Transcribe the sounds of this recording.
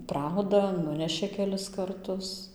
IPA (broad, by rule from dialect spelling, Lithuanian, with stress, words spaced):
ˈprɐʊdɐ ˈnʊnʲɛʃʲeː kʲɛˈlʲɪs kɐrˈtʊs